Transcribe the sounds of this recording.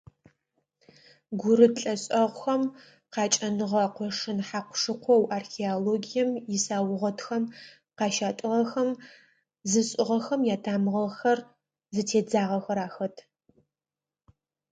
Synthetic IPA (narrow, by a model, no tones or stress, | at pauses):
ɡʷʊɾɨɬʼɐɕʼɐʁʷʊxɐm | qɑːt͡ʃʼɐnɨʁɐqʷɔʂɨnħaːqʷʊʂɨqʷɔwʔaːrxeoloːɡijɛmjɪsaːwʊʁɐtʰxɐm | qɑːʃaːtʼɨʁɐxɐm | zɨɕʼɪʁɐxɐmjaːtʰaːmɨʁɐxɐr | zɨtʰeːd͡zaːʁɐxɐɾaːxɐtʰ